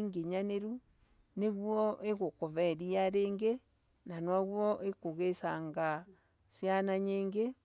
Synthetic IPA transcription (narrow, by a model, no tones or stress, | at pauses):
ŋɡeɲaneɾu | neɣwɔeɣokoβɛɾiaɾeːŋɡe | nanwaɣwɔʔekoɣesaŋɡa | sjanaɲeːŋɡe